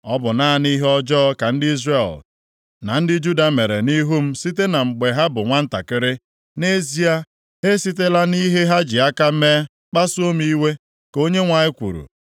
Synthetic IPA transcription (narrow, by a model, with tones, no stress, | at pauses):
ɔ˦bʊ˨na˦a˨ni˦ɦe˦ɔ˦d͡ʒɔ˦ka˨n̩˦dɪ˦i˦zre˦˨l | na˨n̩˦dɪ˦d͡ʒu˦da˨me˨ɾḛ˨ni˦ɦu˦m̩˦si˦t̬e˦na˨ŋ͡m̩˨ɡ͡be˨ɦa˦bʊ˨ŋʷa˦n̩˦ta̰˨kɪ˦ɾɪ˦ | ne˦zi˦a˦ | ɦe˦si˦t̬e˦la˦ni˦ɦe˦ɦa˦d͡ʒɪ˨a˦ka˦me˦ | k͡pa˦su˦o˦m˦i˦we˦ | ko˦ɲe˦ŋʷa˨ɲɪ˦kʷṵ˨ɾṵ˨